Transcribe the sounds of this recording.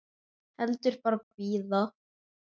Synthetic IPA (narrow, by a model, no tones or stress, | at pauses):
hɛlt̪ʏɾ̥paɾppiːðɔ